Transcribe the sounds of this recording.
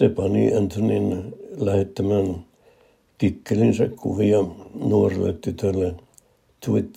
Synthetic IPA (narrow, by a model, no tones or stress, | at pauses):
sepɑnḭʔænt̪ʰoninlæhet̪ːæmæn | t̪ikːelinsækkuʋiɑnuorelːḛt̪t̪ːyt̪ølːe | t̪ʰuit̪